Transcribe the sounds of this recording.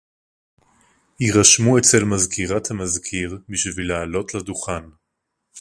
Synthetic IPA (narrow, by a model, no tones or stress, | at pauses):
hiʁaʃmuet͡se̞lmazkʰiʁathamazkʰiʁbiʃvilaalo̞tladuχan